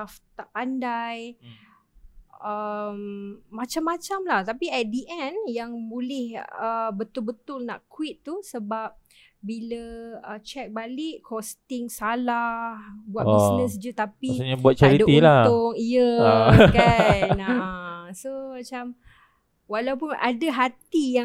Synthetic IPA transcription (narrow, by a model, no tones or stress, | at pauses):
aft̪aʔpandaj | əmːat͡ʃamːat͡ʃamlaht̪apiɛt̪̚diʔɛnjaŋbolɪhəbət̪ʊlbət̪ʊlna̰ʔkwit̪ːusəbap̚ | biləət͡ʃɛk̚balɪʔkʰɔst̪ɪŋsalahbuabsnəsd͡ʒut̪apisɲabuat̪̚t͡ʃaɾitd̪ilaʊŋiəkanasomat͡ʃam | walawpʊna̰daɦat̪ija